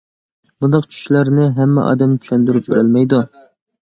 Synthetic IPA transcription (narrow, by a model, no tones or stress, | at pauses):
b̥und̪ɑqt͡ʃʰy̥ʃlæɾnɪɦɛmːɛ̰ʔɑ̰ːd̪ɛmt͡ʃʰy̥ʃɛnd̪yɾyp̚kʰʲøɾɛlmɛjd̪u